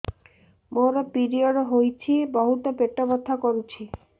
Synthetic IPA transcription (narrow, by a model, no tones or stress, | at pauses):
moɾapiɾioɖɦojt͡ɕʰibɔɦut̪opeʈːobot̪ʰːakoɾut͡ɕʰi